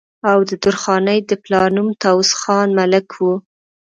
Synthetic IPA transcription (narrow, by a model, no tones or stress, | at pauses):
awd̪əd̪ʊɾxɑnəjd̪əplɑnumt̪awsxɑnmalɪkʰwu